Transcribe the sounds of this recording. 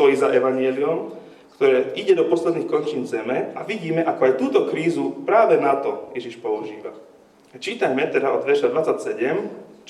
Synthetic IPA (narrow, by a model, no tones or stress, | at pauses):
t̪ɔjizaʔɛʋaɲɪɛliɔm | kt̪ɔɾɛːiɟɛd̪ɔpɔslɛd̪niːxkɔɲt͡ʃiːnzɛmɛaʋiɟiːmɛʔakɔajt̪uːt̪ɔkɾiːzupɾaːʋɛnat̪ɔjɛʒiʃpɔuʒḭːʋa̰ | at͡ʃiːt̪ajmɛt̪ɛɾaɔd̪ʋɛʃad̪ʋat͡sːacsɛɟɛm